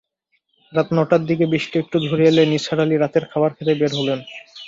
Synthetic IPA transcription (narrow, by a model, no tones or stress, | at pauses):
ɾat̪nɔʈaɾd̪ikebiʃʈiek̚ʈud̪ʱoɾieleniʃaɽaliɾat̪eɾkʰabaɾkʰat̪ebeɾɦolen